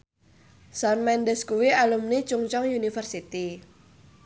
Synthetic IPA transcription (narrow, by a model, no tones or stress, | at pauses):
sanmɛndɛskuwialumnit͡ʃuŋt͡ʃɔŋjunifərsit̪i